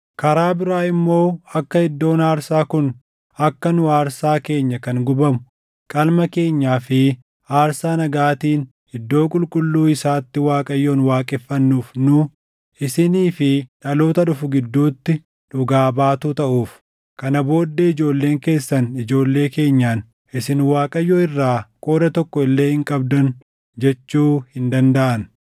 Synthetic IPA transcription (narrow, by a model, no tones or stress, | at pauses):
kɐɾaːbɪɾaːɪmːo̞ːɐkːɐhɪd̪ːo̞ːnaːɾsaːkʊn | ɐkːɐnʊaːɾsaːke̞ːɲːɐkɐŋɡʊbɐmʊ | kʼɐlmɐke̞ːɲːaːfɪ | aːɾsaːnɐɡaːt̪iːn | hɪd̪ːo̞ːkʼʊlkʼʊlːuːɪsaːt̪ːɪwaːkʼɐjːo̞ːnwaːkʼɪfːɐnːuːfnʊ | ʔɪsɪniːfɪᶑɐlo̞ːt̪ɐᶑʊfʊɡɪd̪ːuːt̪ːɪ | ᶑʊɡaːbaːt̪uːt̪ɐʔuːf | kɐnɐbo̞ːd̪ːeɪd͡ʒo̞ːlːeːŋke̞ːsːɐnɪd͡ʒo̞ːlːe̞ːke̞ːɲːaːn | ɪsɪnwaːkʼɐjːoɪrːaːkʼoːd̪ɐt̪ɔkːɔɪlːe̞ːhɪŋkʼɐbd̪ɐn | d͡ʒɛt͡ʃːuːhɪnd̪ɐnd̪ɐʔɐn